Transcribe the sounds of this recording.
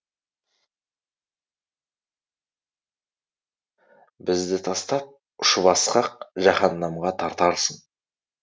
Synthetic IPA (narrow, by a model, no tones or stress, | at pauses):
bɪzd̪ɪt̪ʰɑst̪ɑp̚ | ʊʃəβɑsqɑq̚ʒɑχɑnːɑmʁɑt̪ʰɑɾt̪ɑɾsəɴ